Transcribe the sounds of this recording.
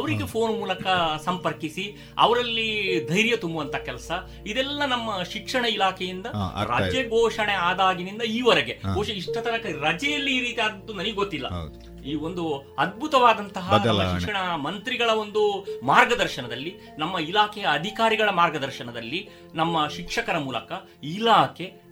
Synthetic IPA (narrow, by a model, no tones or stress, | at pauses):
ɐʋɐɾiɡepʰo̞ːnmuːlɐkɐsɐmpɐɾkisi | ɐ̰ʋɐɾɐlːid̪ʱɐjɾjɐt̪umbɐʋɐnt̪ʰɐkɛlɐsɐ | id̪ɛlːɐnɐmːɐʃikʂɐɳɐilaːkʰɛjind̪ɐɾɐ̰ːd͡ʒɐɡɔːʂɐɳeaːd̪aːɡinind̪ɐiːʋɐɾɛɡeɡoːʃɐiʂʈɐt̪ɐnɐkɐɾɐd͡ʒɛjɐlːiiːɾiːt̪ijaːd̪ɐd̪ːunɐniɡeɡot̪ːilːɐ̰ | iːo̞nd̪uɐd̪̚bʱut̪ɐʋaːd̪ɐnt̪ɐɦɐnɐmːɐʃikʂɐɳɐmɐnt̪ɾiɡɐɭɐo̞nd̪umaːɾɡɐd̪ɐɾʃɐnɐd̪ɐlːi | nɐmːɐilaːkʰɛjɐːd̪ʱikaːɾiɡɐɭɐmaːɾɡɐd̪ɐɾʃɐɳɐd̪ɐlːi | nɐmːɐʃikʂɐkɐɾɐmuːlɐ̰kɐ | ilaːkʰe̞